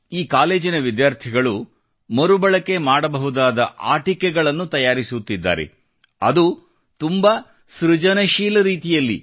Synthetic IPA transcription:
iːkaːleːd͡ʒinɐʋid̪jaːɾt̪ʰiɡɐɭu | mɐɾubɐɭɐke̞maːɽɐbɐɦud̪aːd̪ɐ̰ʔa̰ːʈikɛɡɐɭɐnːut̪ɐjaːɾisut̪ːid̪ːa̰ːɾe̞̰ | ɐ̰d̪u | t̪umbɐ | sɾud͡ʒɐnɐʃiːlɐɾiːt̪ijɐlːḭ

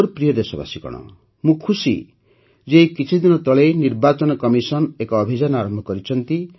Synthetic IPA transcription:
ɾpɾijɔd̪esɔba̰sikɔ̰ɽ̃ɔ̰ | mũkʰusḭ | d͡ʒeikit͡ʃʰid̪inɔt̪ɔɭeniɾbat͡ʃɔnɔkɔmisɔnekɔːbʱid͡ʒanɔaɾɔmbʱɔkɔɾit͡ʃʰɔnt̪i

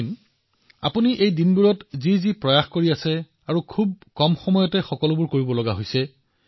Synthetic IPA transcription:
n | a̰puniʔejdinbuɹɔtzizipɹɔjaxkoɹiasɛ | aɹukʰub̚kɔmxɔmɔjɔtɛxɔkɔlʊbuɹkoɹibɔlɔɡaɦojsɛ

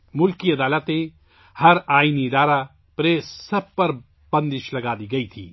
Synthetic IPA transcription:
mʊlkiɐd̪aːlət̪ẽ | hɐɾaːiniɪd̪aːɾa | pɾeːssɐb̚pɐɾ | b̥ɐ̃nd̪ɪʃlɐɡaːd̪iɡɐit̪ʰḭː

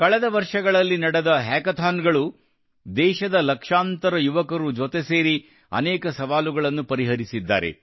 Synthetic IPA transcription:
kɐɭɛd̪ɐʋɐɾʂɐɡɐɭɐlːinɐɽed̪ɐɦɛːkɐt̪ʰaːnɡɐɭu | d̪ɛːʃɐd̪ɐlɐkʂaːnt̪ɐɾɐjuʋɐkɐɾud͡ʒot̪e̞se̞ːɾi | ɐ̰nɛːkɐsɐʋaːluɡɐɭɐnːupɐɾiɦɐɾisid̪ːa̰ːɾḛ

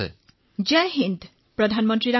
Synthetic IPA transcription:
ḛ | d͡ʑɛɦind̪ | pɾod̪ʱanmont̪ɾiɾa

